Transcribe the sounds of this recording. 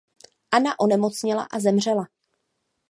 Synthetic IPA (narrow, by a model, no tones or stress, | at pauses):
ʔanaʔo̞nɛmo̞t͡sɲɪla̰ʔazɛmr̝ɛla